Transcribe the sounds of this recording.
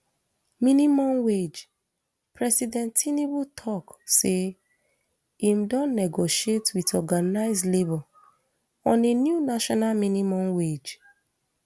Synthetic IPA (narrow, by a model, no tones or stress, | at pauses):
minimɔ̃mwed͡ʒ | pɹɛsidɛ̃ntʰinibutʰɔkse | imdɔ̃nːɛɡoʃietwitɔɡanaɪzlebɔl | ɔ̃nenjunaʃɔnalminimɔ̃mwed͡ʒ